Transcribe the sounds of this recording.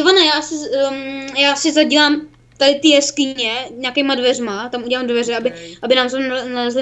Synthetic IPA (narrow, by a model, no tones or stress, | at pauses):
ɛvanajaːsɪ | jaːsɪzaɟilaːm | t̪adɪt̪ijɛskɪɲɛɲaːkejmadvɛrmat̪amuɟɛlaːmdvɛrɛabɪʔabɪnaːmsonalɛzlɪ